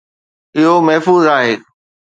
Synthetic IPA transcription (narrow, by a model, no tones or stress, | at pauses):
ɪɦomɐɦfuːzaːɦeː